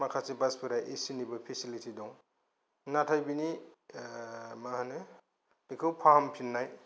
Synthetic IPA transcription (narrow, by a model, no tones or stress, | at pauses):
makʰasibaspʰɯɾajʔesinibɯpʰesilitʰidɔŋ | natʰajbini | maɦanɯ | dikʰɯwpʰampʰinːaj